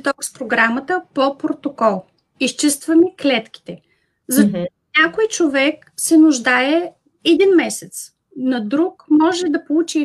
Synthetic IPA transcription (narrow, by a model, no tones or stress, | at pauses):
t̪ɔkspɾoɡɾamət̪əpopɾot̪okɔlˠ | ist͡ʃist̪vɐmɛklɛt̪kʲi̥t̪ɛ | zɐ | nʲakojt͡ʃovɛk | sɛnʊʒd̪aɛ | ɛd̪inmɛsɛt̪s | nɐd̪ɾukmɔʒɛd̪ɐpolˠut͡ʃi